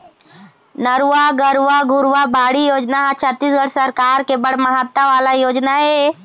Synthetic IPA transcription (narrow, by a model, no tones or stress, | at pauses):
nəɾʋaɡəɾʋaɡʱʊɾʋabaːɽijoːd͡ʒnaɦat͡ʃʰət̪ːisɡəɽsəɾkaːɾkebɐɽməɦət̪ːaʋaːlajoːd͡ʒnaɦeː